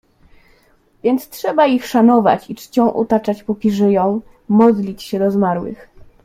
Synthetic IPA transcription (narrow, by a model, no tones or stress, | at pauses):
vʲjɛnt̪stʂɛbaixʂanɔva̰t͡ɕit͡ʂt͡ɕɔ̃w̃ʔɔ̰t̪at͡ʂat͡ɕpɔkʲiʐɘjɔ̃w̃ | mɔd̪lʲit͡ɕɕɛd̪ɔzmaɾwɘ̰x